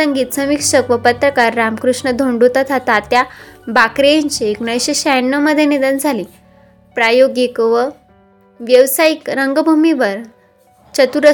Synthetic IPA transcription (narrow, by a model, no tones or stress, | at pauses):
əŋɡiːt̪səmikʂəkʋəpət̪ɾəkaɾːamkɾuʂɳəd̪ʱoɳɖut̪at̪ʰat̪at̪jabakɾeɲt͡ɕeeknajɕeɕanːəməd̪ʱjenid̪ənd͡zʱalĩ | pɾajoɡekʋə | ʋjəʋsaikɾəŋɡəbʱumiʋəɾ | t͡ɕət̪uɾə